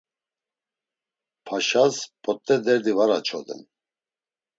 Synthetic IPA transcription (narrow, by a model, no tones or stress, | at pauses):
pʰaʃaspʼɔt̪ʼːɛd̪ɛɾd̪ivaɾat͡ʃʰɔd̪ɛ̰n